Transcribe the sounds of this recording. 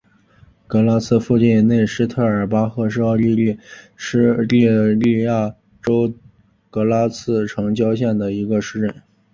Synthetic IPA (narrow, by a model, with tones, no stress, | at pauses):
kɤ˧˥la˥t͡sʰɹ̩˥˧fu˥˧t͡ɕi˥˩n˥ne˥˧ɪʂɻ̩˥t̪ʰɤ˥˩ə˞˨˩pa˥xɤ˧˥˧ʂɻ̩˥˧ɑ˥˧li˥˧li˥˩ | ʂ̩˥li˥˧li˥˧ja˥˩ | ʈ͡ʂo˥ʊ | kɤ˧˥la˥t͡sʰɹ̩˥˩ʈ͡ʂʰɤ˧˥ŋt͡ɕjɑ˥ʊɕjɛ˥˩nd̪ə˩i˧˥ɡə˧ʂɻ̩˥˧ʈ͡ʂə˥˩n